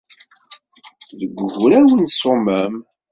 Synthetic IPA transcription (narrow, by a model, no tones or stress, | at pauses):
ðəɡʷːəʝɾæwənsʊməm